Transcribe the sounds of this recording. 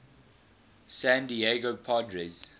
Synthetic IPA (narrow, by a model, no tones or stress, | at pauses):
sæ̃ndieɡopʰadɹɛz